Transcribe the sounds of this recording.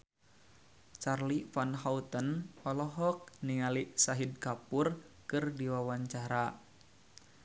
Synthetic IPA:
t͡ʃarlifanɦaut̪ənɔlɔɦɔk̚nialiʔsaɦid̚kapur | kɨrdiwawaɲt͡ʃaɾa

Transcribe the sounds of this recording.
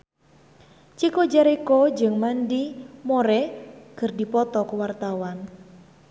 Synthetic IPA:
t͡ʃikɔd͡ʒaɾekɔd͡ʒɨŋmandimoɾɛɡ̥ərdipɔt̪ɔkwart̪awan

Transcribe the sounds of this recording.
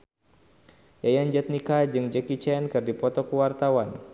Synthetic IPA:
jajand͡ʒɛt̪̚nikad͡ʒɨŋd͡ʒəkit͡ʃɛnkɨrdipɔt̪ɔkuwart̪awan

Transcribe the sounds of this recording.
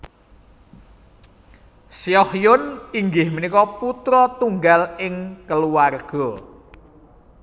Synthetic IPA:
siɔhjʊniŋɡɪhmənikɔput̪ɾɔt̪uŋɡalɪŋkəluwarɡ̥ɔ

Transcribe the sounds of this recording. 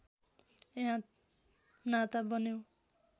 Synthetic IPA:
eɦã | nat̪abʌnew

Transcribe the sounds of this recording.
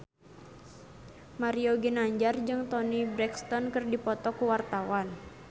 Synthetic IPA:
maɾioɡinaɲd͡ʒard͡ʒɨŋt̪ɔnibɾɛkst̪ɔnkɨrdipɔt̪ɔkuwart̪awan

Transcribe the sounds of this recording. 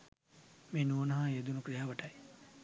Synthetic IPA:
meːnuonɐɦajed̪unukɾijaːʋɐʈɐj

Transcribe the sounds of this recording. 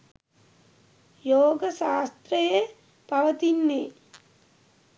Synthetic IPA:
joːɡəʃaːst̪ɾəje | paʋət̪inːe

